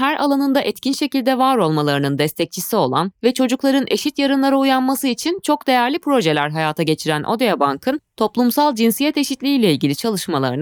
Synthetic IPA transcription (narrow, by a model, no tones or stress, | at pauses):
hæɾʔa̰lˠanɯnd̪aʔɛt̪cinʃe̞cilʲd̪ɛvaːɾo̞lˠmalˠaɾɯnɯnd̪ɛst̪ʰɛc̚t͡ʃʰisio̞lˠa̰nvɛt͡ʃʰo̞d͡ʒuklˠaɾɯnʔe̞̰ʃit̪jaɾɯnlˠaɾaujanmasɯit͡ʃʰint͡ʃʰo̞k̚d̪e̞jæɾlʲipʰɾo̞ʒe̞lʲæɾɦajaːt̪ʰaɟe̞t͡ʃʰiɾænʔo̞̰d̪ejabaŋkʰɯnt̪ʰo̞plˠumsalˠd͡ʒinsijɛt̪e̞ʃit̪lʲiːlʲɛilʲɟʲilʲit͡ʃʰalˠɯʃmalˠa̰ɾɯn